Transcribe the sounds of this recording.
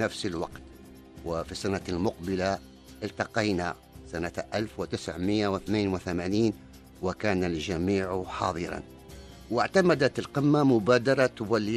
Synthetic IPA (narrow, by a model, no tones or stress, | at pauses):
nafsɪlwɑ̰qt̪ | wɪfisanalmʊqbɪla | ʔɪlt̪ɑqɑjna | sanaʔalfwɪt̪ɪsʕmɪjːawɪθneːnwɪθamaːniːn | wɪkaːnald͡ʒamiːʕħɑ̰ːðˤɨɾˤɑ̰n | wɪʕt̪amad̪at̪alqɪmːamʊbaːd̪ɑɾˤɑt̪ʊwalːɪ